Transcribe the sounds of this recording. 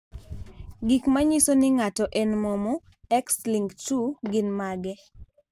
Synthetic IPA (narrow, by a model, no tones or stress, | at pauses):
ɡikmaɲisonɪŋatɔʔɛnmɔmɔ | ɛksliŋɡtuɡɪnmaɡɛ